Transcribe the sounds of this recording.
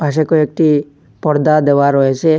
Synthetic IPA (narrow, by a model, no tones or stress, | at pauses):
paʃ̬ekoek̚ʈi | pɔɾd̪ad̪eʋaɾɔet͡ʃʰe